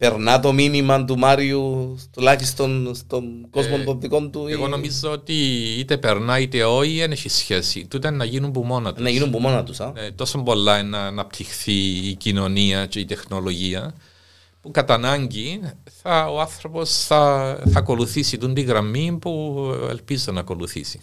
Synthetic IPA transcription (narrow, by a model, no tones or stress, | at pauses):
pe̞ɾnɐt̪o̞minimɐnt̪̬umaɾiust̪ulɐçist̪o̞nst̪onɡo̞zmont̪opt̪iko̞nt̪ueɣo̞no̞mizːoot̪iit̪e̞pe̞ɾnɐit̪e̞o̞ieneçisçe̞sḭt̪ut̪enːɐʝinumbumo̞nɐt̪unɐʝinumbumonɐt̪usɐnet̪o̞sombo̞lːɐenːɐːnɐp̚t̪ʰixθiːcino̞niɐce̞it̪e̞xno̞lo̞ʝiɐ | pukɐt̪ɐnɐɲɟiθɐoɐnθɾo̞po̞sθɐθɐko̞luθisit̪und̪iɣɾɐmːipuḛlpizonɐko̞luθḭsi̥